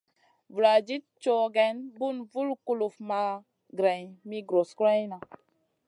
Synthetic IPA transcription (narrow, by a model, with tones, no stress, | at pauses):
vu˨ɾa˨d͡ʒi˦t̚t͡ʃo˦ɡɛ˨nbu˦˨nvu˦lku˦lu˨fma˦ | ɡɾɛ˨jmi˦ɡɾo˨skɾɛ˦jna˨